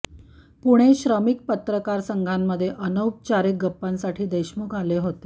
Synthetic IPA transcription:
puɽ̃eɕɾəmik̚pət̪ɾəkaɾsəŋɡʱamːəd̪ʱːjeʔənəwp̚t͡ɕaɾik̚ɡəpːansaʈʰiːd̪əjɕmukaleɦot̪e

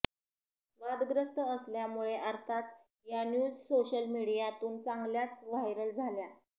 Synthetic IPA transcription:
ʋad̪ɡɾəst̪əəsljamuɭeʔəɾt̪ʰat͡s | janjuːd͡zsoɕəlmiɽijat̪uːnt͡saŋɡljat͡sʋajɾəld͡zʱalja

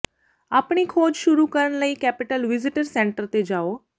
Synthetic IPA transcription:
aːpɳikʰoːd͡ʒʃʊɾuːkəɾəɳləiːkɛːpɪʈəlʋɪzɪʈəɾsɛ̃ːɳʈəɾt̪ed͡ʒaːoː

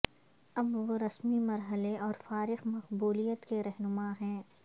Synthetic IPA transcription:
ɐbʋoɾɐsmimɐɾɦəleʔɔːɾfaːɾɪxmɐqbuːlijət̪keɾɛɦnʊmaɦɛ̃ː

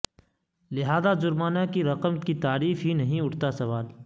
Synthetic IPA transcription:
lɪɦaːzazʊɾmaːnakiɾɐqəmkit̪aːɾiːfɦinɐɦĩʊʈʰt̪asɐʋaːl

